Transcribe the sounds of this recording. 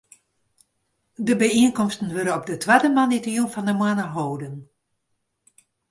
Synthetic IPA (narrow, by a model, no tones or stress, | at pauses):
dəbəiənkɔmstən̩ʋøɾəɔb̚dətʰʋadəmanitərjunfɔndəmwanəɦoːdən